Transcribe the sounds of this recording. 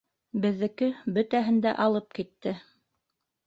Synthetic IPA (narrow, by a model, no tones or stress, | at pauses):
bɘ̆ðːɘ̆kɘbɵ̆t̪æɦɘ̆nd̪æ̰ʔɑlˠɤp̚kit̪ːɘ